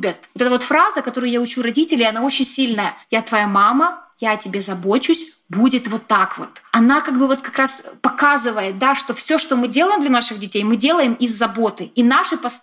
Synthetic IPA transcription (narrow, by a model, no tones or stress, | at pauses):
bʲət̪ot̪ɛt̪əvo̞t̪fɾazəkɐt̪o̞ɾʊjʊjaʊt͡ɕuɾɐdʲitʲɪlʲɪɪɐnao̞t͡ɕːɪnʲsʲilʲnəjəjat̪vɐjamaməjatʲɪbʲe̞zɐbo̞t͡ɕʊsʲ | budʲɪt̪vo̞t̪ːakvo̞̰t̪ɐnakaɡ̚bɨvo̞t̪kɐkɾaspɐkazɨvəjɪt̪̚d̪aʂt̪o̞fsʲo̞ʂt̪o̞mɨdʲe̞lˠəjɪmd̪lʲɐnaʂɨɣdʲɪtʲejmɨdʲe̞lˠəjɪmɪzːɐbo̞t̪ɨinaʂɨpɐs